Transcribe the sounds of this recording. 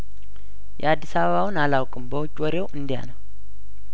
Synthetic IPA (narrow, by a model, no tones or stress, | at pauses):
jɛ̰ad̪ːisaβəβawɨnalawkʼɨmbəwʊt͡ʃʼwɔɾewʔɨnd̪ija̰nəw